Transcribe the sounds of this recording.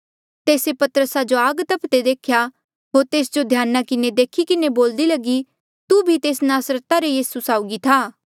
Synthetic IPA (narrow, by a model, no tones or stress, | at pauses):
t̪eːsepɐt̪əɾəsad͡ʒoaːɡt̪ɐpʰt̪ed̪eːkʰja | ɦoːɾt̪eːsd͡ʒod̪ʱjaːnːakɪned̪eːkʰikɪneboːld̪ilɐɡi | t̪ubʱit̪eːsnaːsɾət̪aɾejiːsusaːʊɡit̪ʰaː